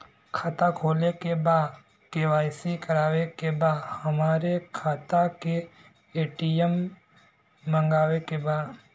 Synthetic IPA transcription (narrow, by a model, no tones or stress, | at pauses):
kʰaːt̪akʰoːlekebaːd̪ | keʋaːɪsikəɾaːʋekebaːd̪həmaːɾekʰaːt̪ake | eːʈijəm | ə̃ŋɡaːwekebaːd̪